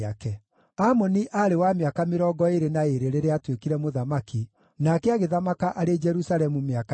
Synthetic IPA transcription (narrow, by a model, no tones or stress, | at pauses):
akɛ | amɔniʔaɾewameakameɾɔɡɔeɾenaeɾeɾeɾeatwekiɾɛmoðamaki | nakɛaɣeðamakaʔaɾed͡ʒɛɾusaɾɛmumeak